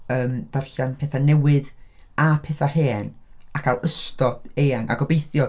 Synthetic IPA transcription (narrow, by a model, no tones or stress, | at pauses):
əːmd̥arɬanpʰeːθanɛwɪð | apʰeːθaheːnakʰawʔəstɔd̥ejaŋa̰ɡɔbejθjɔ